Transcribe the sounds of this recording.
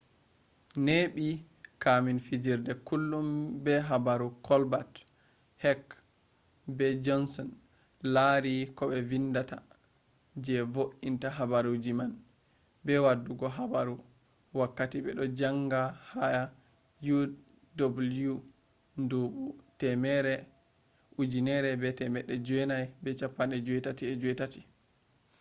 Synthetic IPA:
neɓi | kaminfid͡ʒiɾdɛkulːumbɛɦabaɾukɔlbat | hɛk | bɛd͡ʒɔnsɔn | laɾikɔɓɛvinːdata | d͡ʒɛvoʔintaɦabaɾud͡ʒiman | bɛwadːuɡɔɦabaɾu | wakːatibɛɗɔd͡ʒaŋɡahaja | ju | dobulju | nduɓutɛmɛɾɛ | ud͡ʒinɛɾɛbɛtɛmɛɗːɛd͡ʒuɛnajbɛt͡ʃapːanɛd͡ʒuɛtatiɛd͡ʒuwɛtati̥

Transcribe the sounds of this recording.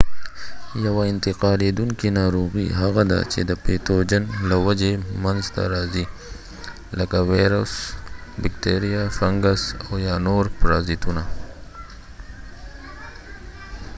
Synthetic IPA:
jawaɪnt̪ɪqɑːled̪uŋkinɑːɾoɣiɦaɣad̪a̰t͡ʃḛd̪əpet̪od͡ʒanlawad͡ʒemanzt̪a̰ɾaːzi | lakaweɾosbɪkt̪eɾijafaŋɡasojaːnoɾpɾaːzit̪una

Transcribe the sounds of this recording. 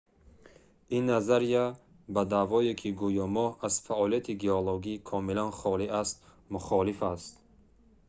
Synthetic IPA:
inːazaɾija | bad̪avɔekʰiɡujɔmɔhaz̥faʔɔliat̪ʰiɡeɔloɡikʰɔmilanχɔliast̪ | muχɔlifast̪

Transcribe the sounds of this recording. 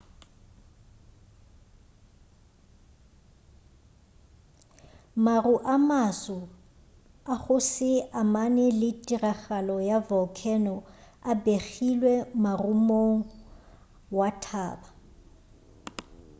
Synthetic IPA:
maruʔamasɔ | aχʊsɪamanɛlɪtʼiraɣalɔjavɔkʰɛnɔabeχilwɛmarumoŋ̩ | watʰaːba

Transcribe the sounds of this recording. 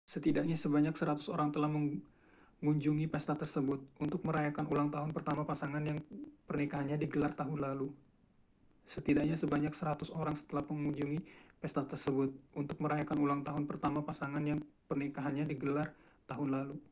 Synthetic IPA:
sət̪idak̚ɲasəbaɲaksəɾat̪u̥soɾaŋt̪əlahməŋ | ŋuɲd͡ʒuŋipɛst̪at̪ərsəbʊt̪̚unt̪ʊk̚məɾajakanulaŋt̪aɦʊnpərt̪amapasaŋanjaŋpərnikaɦanɲadiɡəlart̪aɦʊnlalu | sət̪idak̚ɲasəbaɲaksəɾat̪ʊsoɾaŋsə̥t̪əlahməŋuɲd͡ʒuŋipɛst̪at̪ərsəbʊt̪̚unt̪ʊk̚məɾajakanulaŋt̪aɦʊnpərt̪amapasaŋanjaŋpərnikaɦanɲadiɡəlart̪aɦʊnlalu

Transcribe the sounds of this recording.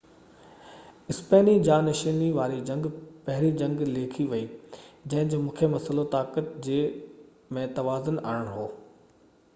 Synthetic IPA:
ɪspeːnid͡ʑaːnɐʃiːniʋaːɾid͡ʑɐ̃ŋɡpɐɦɪɾid͡ʑɐ̃ŋɡleːkʰiʋɐid͡ʑɐ̃ɦɪ̃d͡ʑoːmũːkʰemɐsəlot̪aːkət̪̚d͡ʑeː | mẽt̪ɐʋaːzʊna̰ːəɽ̃ɦoː

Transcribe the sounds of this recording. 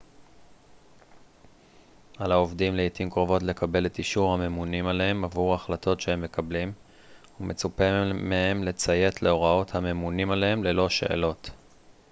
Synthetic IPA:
alaovdimleitimkʁo̞vo̞t̬le̞kabe̞le̞tiʃuʁhame̞munimalehe̞mavuʁaχlatʰo̞tʃehe̞mːe̞kʰablim | ume̞t͡supemehe̞mle̞t͡saje̞tle̞o̞ʁao̞thame̞munimalee̞mle̞lo̞ʃe̞̰ʔḛlo̞t

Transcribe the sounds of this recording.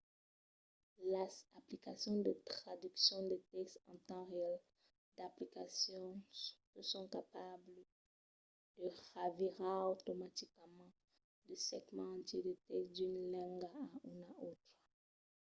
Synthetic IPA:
lezaplikasjɔ̃d̪ət̪χad̪yksjɔ̃d̪et̪ɛkst̪ɑ̃t̪ɑ̃ʁeɛl | d̪aplikasjɔ̃ | əsɔ̃kapablə | d̪̥əʁaviʁaot̪omat̪ikmɑ̃ | d̪əsɛɡmɑ̃ːt̪jed̪ət̪ɛksd̪ynlɛ̃ŋɡaynaʔot̪χə

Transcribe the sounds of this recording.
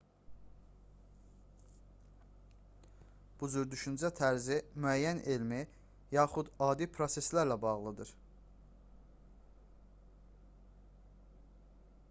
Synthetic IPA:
b̥ud͡ʒyɾd̪yʃynd͡ʒæt̪ʰæɾzimyæjːænʔelmi | jɑːχud̪ɑːd̪ipʰɾo̞se̞slæɾlæbɑʁlˠɯd̪ɯɾ

